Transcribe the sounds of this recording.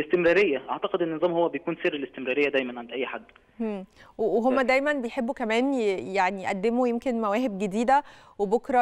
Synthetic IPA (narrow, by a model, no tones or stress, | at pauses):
lest̪emɾɑːɾejːæʔaʕt̪ɑqed̪ʔenːezˤɑːmhowːæbejkuːnserːelest̪emɾɑːɾejːæd̪æjmænʕand̪ʔæjːħad̪ː | emːweweɦomːæd̪æjmænbejħebːukæmæːnjjaʕnijeʔæd̪ːemujemkenmæwæːɦeb̚ɡed̪iːd̪æ | webokɾˤɑ